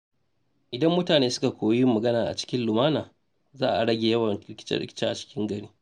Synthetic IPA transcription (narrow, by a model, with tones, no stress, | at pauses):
ʔɪ˨dɐ˦mːʊ˦taː˨neː˦sʊ˦ka˨kʷoː˨ji˦mɐ˨ɡɐ˦naː˨ʔa̰˨t͡ʃɪ̥˦kʲɪ˦nlʊ˨maː˦naː˨ | zaː˦ʔa˨ɽɐ˦ɡʲeː˨jɐ˦wɐ˨nɽɪ˦kʲɪ̥˦t͡ʃɐ̰˦ɽɪ̰˦kʲɪ̥˦t͡ʃaː˦ʔa˨t͡ʃɪ̥˦kʲʰɪ˦ŋɡɐ˦ɽiː˦